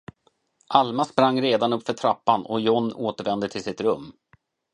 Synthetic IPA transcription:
ʔalmaspɾaŋːɾeːd̪anɵpːfœʈʰɾapːanɔjɔnːoːt̪əɾvɛnd̪ət̪ʰɪlsɪt̪ɾɵmː

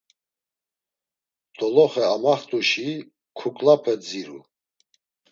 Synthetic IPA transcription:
t̪ʼɔlɔχɛamaχt̪ʼuʃi | kʰukʼlapʰɛd͡ziɾu

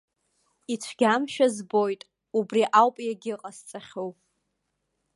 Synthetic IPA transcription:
it͡ʃʷʰɡʲamʃᶣazbo̞jtʼ | ubriʔawpʼjaɡʲɪqʼast͡sʼaχʲow

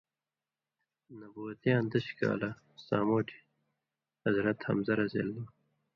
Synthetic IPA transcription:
nɐbuːɐt̪jãːnd̪ɐɕka̰ːlɐ | saːmoːʈʰi̥ | hɐzɾɐt̪hɐ̰mzɐɾɐzḛːld̪ɐ

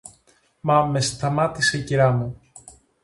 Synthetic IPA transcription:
mɐme̞st̪ɐmɐt̪ise̞iciɾɐmu

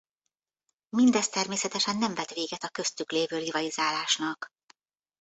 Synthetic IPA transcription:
mind̪ɛst̪ɛrmeːsɛt̪ɛʃɛnːɛɱvɛt̪ʋeːɡɛt̪ɒkø̞st̪ykleːvøːrivɒlizaːlaːʃnɒk

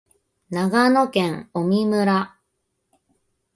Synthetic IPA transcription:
naɡano̞kẽŋomʲimɯ̟ɾa

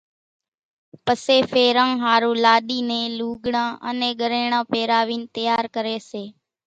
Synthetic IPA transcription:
pəseːfʰeːɾãːɦaːɾũːlaːɗiːnẽːluːɠɳãːʔə̰nẽːɠəɾeːɳãːpeːɾaːʋiːnt̪əjaːɾkəɾeːseː

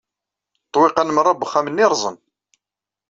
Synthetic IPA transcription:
t̪ˤːwɪqɑnmrˤɑbəχæmənːiɾˤzˤən

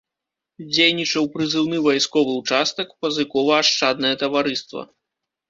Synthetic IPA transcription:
d͡zʲejnʲit͡ʂɐwpɾɨzɨwnɨvajskɔvɨut͡ʂast̪ɐkpɐzɨkɔvɐaʂt͡ʂad̪nɐjɐt̪ɐvaɾɨst̪vɐ̰

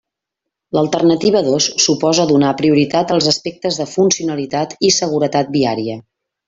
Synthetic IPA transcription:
ləlˠt̪ərnət̪iβəðosːupɔzəðunapɾiuɾit̪at̪əlˠzəspɛk̚t̪əzðəfunsiunəlit̪at̪isəɣ̞uɾət̪at̪̚biaɾiə

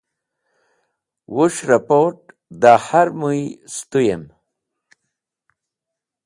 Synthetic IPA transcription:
wuʂɾapoʈ̚ | d̪ahaɾmujst̪ujem

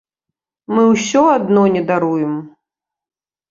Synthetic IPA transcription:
mɨwsʲɔad̪nɔnʲɛd̪aɾujɛm

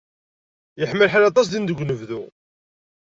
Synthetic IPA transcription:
jəħmːəlħalɑt̪ˤɑs̬d̪ind̪əɡʷːnəvðu

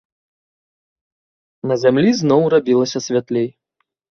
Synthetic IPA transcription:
nɐzʲamlʲiznɔwrabʲilˠɐsʲɐsʲvʲat̪lʲej

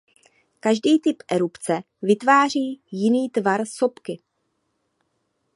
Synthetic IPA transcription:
kaʒdiːt̪ɪpʔɛɾupt͡sɛ | vɪt̪vaːr̝iːjɪniːt̪vaɾso̞pkɪ

